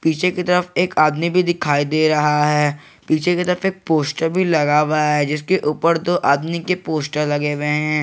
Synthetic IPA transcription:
piːt͡ʃʰekit̪ɐɾəfeːkaːd̪mibʱid̪ɪkʰaːid̪eːɾɐɦaɦɛː | piːt͡ʃʰekit̪ɐɾəfeːk̚poːsʈəɾbʱilɐɡaːʋaaɦɛd͡ʒɪskeʔuːpəɾd̪oːʔaːd̪mikepoːsʈəɾlɐɡeweɦɛ̃ː

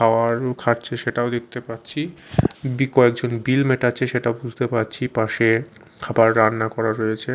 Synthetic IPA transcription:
aoaɾkʰaɾt͡ɕʰeʃeʈaod̪ek̚t̪epatːt͡ɕʰibikɔekd͡ʑonbilmeʈat͡ɕʰeʃeʈaobud͡ʑʱt̪epaɾt͡ɕʰipaʃe | kʰabaɾːanːakɔɾaɾojet͡ɕʰe

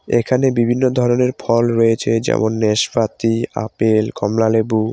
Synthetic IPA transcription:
ekʰanebibʱinːod̪ʱɔɾoneɾfʰɔlɾojet͡ɕʰed͡ʑɛ̰monːeʃfat̪ia̰pelkʰɔmlalebu

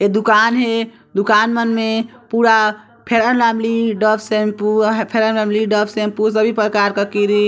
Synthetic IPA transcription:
ed̪ukanɦe | d̪ukanmənmepuɾa | pʰeɾənlamliɖəbsempuɦpʰeɾənlamliɖəbsempuɾs̬əbʱipɾəkaɾkəkiɾi

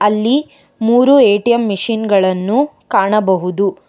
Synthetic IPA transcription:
ɐlːi | muːɾueːʈijɐmːiʂinɡɐɭɐnːu | kaːɳɐbɐɦud̪u

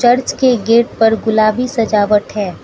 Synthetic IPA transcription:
t͡ʃɐɾt͡ʃkeɡeːʈ̚pɐɾɡʊlaːbisɐd͡ʒaːʋəʈɦɛː

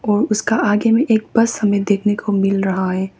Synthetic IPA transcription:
ɔːɾʊskaʔaːɡemẽʔeːk̚bɐshɐmẽd̪eːkʰnekʰomɪlɾɐɦaɦɛː

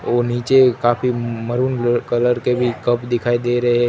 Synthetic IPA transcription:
oːniːt͡ʃekaːfimɐɾuːnkɐləɾkebʱikɐpd̪ɪkʰaːid̪eːɾɐɦɛ

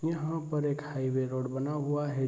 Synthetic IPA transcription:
jəɦə̃pəɾeːkhaiʋeɾoːɽbənaɦuaɦe

